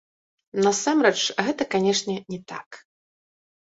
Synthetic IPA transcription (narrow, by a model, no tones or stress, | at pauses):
nɐsamɾɛt͡ʂɣɛt̪ɐkanʲɛʂnʲɛnʲɛt̪a̰k